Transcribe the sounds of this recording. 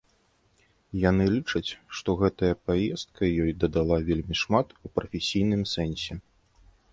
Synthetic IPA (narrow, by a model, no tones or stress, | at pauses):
janɨlʲit͡ʂɐt͡sʲʂt̪ɔɣɛt̪ɐjɐpajɛst̪̚kʰɐjɔjd̪ɐd̪alˠavʲelʲmʲiʂmat̪upɾɐfʲesʲijn̪ɨmsɛnʲsʲɛ